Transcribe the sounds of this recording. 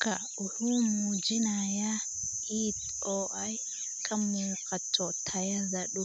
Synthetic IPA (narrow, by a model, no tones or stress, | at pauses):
ka | uhumud͡ʒinaja | it | ɔʔaj | kʰamːukatʰːɔtʰajazaɗu